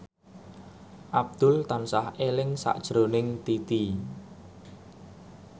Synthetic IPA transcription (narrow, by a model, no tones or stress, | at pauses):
ʔab̚d̪̥ʊ̤lt̪ansahelɪŋsa̰ʔd̥ʒ̥ɾonɪŋt̪it̪i